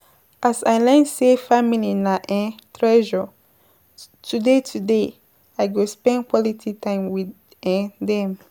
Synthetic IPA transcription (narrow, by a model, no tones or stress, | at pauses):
ʔasaɪlɛ̃nsefamilinaʔɛ̃tɹɛʒɔ | tʰudetʰude | aɪɡospɛ̃nkwɔlitʰitãɪ̃mwi | ɛ̃dɛ̃m